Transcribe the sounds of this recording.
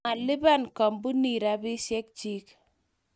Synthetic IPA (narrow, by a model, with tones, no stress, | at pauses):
a˨lɪ˦ba˦˨nkɔ˨mbu˦ni˨ɾa˨bɪ˦sɛ˦k̚t͡ʃi˦k